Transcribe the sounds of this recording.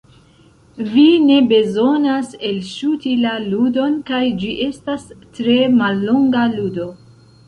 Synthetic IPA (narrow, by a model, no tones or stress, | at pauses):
vine̞be̞zo̞nase̞lʃutilaludo̞nkajd͡ʒiʔe̞stastɾe̞malːoŋɡaludo̞